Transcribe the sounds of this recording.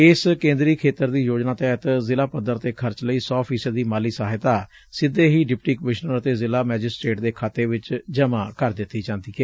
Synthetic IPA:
ɪskẽːnd̪ɾiːkʰeːt̪əɾd̪iːjoːd͡ʒnaːt̪ɛːɦt̪zɪlaːpəd̪əɾt̪eːkʰəɾt͡ʃləiːsɔːpʰiːsəd̪ːiːmaːliːsaːɦɪt̪aː | sɪd̪eːɦiːɖɪp̚ʈiːkəmɪʃnəɾət̪eːzɪlaːmɛːd͡ʒɪsʈɾeːʈd̪eːkʰaːt̪eːʋɪt͡ʃd͡ʒəmãːkəɾd̪ɪt̪ːiːd͡ʒãːnd̪iːkɛː

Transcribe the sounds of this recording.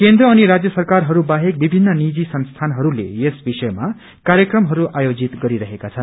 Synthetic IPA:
kend̪ɾʌːniɾad͡zjʌsʌrkarɦʌɾubaɦek̚bibʱinːʌnid͡zisʌnst̪ʰanɦʌɾulḛjesbisʌjma | kaɾjʌkrʌmɦʌɾuʔajod͡zit̪ɡʌɾiɾʌɦekat͡sʰʌn

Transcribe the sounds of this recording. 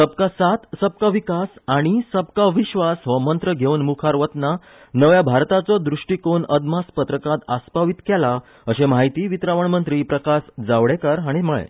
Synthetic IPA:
səb̚kasat̪səb̚kaʋikasaɽ̃isəb̚kaʋiɕʋasʋəmənt̪ɾəɡʱeunmukʰaɾʋət̪na | nəʋjabʱaɾt̪at͡sɔd̪ɾuʂʈikonəd̪maspət̪ɾəkat̪aspaʋit̪kɛla | əɕemaɦit̪iːʋit̪ɾaʋəɳmənt̪ɾiːpɾəkasd͡zaʋɽekəɾaɽ̃iməɭḛ

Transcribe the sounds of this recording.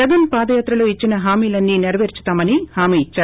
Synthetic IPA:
ɐɡɐnpaːd̪ɐjaːt̪ɾɐloːit͡ʃːinɐɦaːmiːlɐnːineɾɐʋeːɾt͡ʃu̥t̪aːmɐnihaːmiːit͡ʃːaː

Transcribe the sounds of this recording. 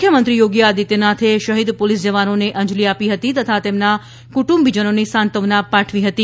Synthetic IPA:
kʰjəmənt̪ɾijoɡjaːd̪it̪enat̪ʰeʃəɦid̪polisd͡ʒəʋanoneʔəɲd͡ʒliapiɦət̪it̪ət̪ʰat̪emna | kuʈũmbid͡ʒənonisãnt̪əʋnapːaʈʰʋiɦət̪i

